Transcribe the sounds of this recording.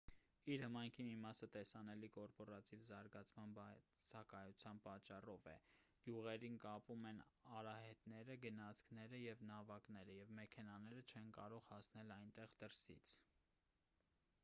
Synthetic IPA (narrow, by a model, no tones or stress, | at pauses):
iɾhəmɑjŋkʰimimɑsət̪ɛsɑnɛlikɔɾpɔɾɑt̪ivzɑɾɡɑt͡sʰmɑnbt͡sʰɑkɑjut͡sʰjɑnpɑt͡ʃːɑrɔvɛ̰ɡ̥juʁɛɾinkɑpumɛnɑɾɑhɛt̪nɛɾəɡənɑt͡sʰkʰnɛɾəjɛvnɑvɑknɛɾəjɛvmɛkʰɛnɑnɛɾət͡ʃʰɛnkɑ̰ɾɔʁhɑsnɛlɑjnt̪ɛʁd̪əɾsḭt͡sʰ